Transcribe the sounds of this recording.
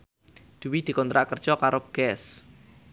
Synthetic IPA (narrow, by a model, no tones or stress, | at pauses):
d̪̥uwid̪̥i̤kɔnt̪ɾaʔkərd̥ʒ̥ɔkaɾoɡ̥ɛs